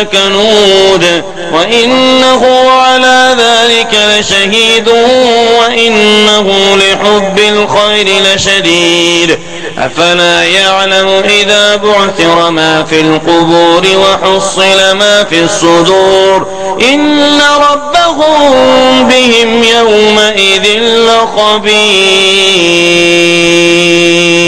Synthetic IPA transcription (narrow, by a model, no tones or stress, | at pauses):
kanuːd̪ | waʔɪnːaɦʊʕalaːðaːlɪkalɪʃahiːd̪ʊwaʔɪnːaɦʊlɪħʊbːɪlxajɾɪlɪʃad̪iːd̪ | ʔfalaːjaʕlamʊʔɪðaːbʊʕθɪɾmaːfiːlqʊbuːɾɪwaħʊsˤːɨlamaːfiːɑsˤːʊd̪uːɾ | ʔɪnːaɾˤɑbːahʊmmbɪhɪmjawmaʔɪðɪlːɪqɑbiː